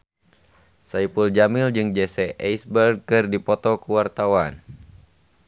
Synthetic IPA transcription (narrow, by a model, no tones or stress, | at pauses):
saipuld͡ʒamild͡ʒɨŋd͡ʒɛsɛajsbɛrɡ̚kɨrdipɔt̪ɔkuwart̪awan